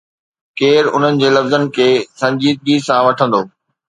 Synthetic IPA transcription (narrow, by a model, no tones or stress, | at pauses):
keːɾʊn̤ənɪ̆d͡ʑeːlɐfzənɪ̆kʰeːsɐ̃ɲd͡ʑiːd̪̚biːsãʋɐʈʰə̃nd̪oː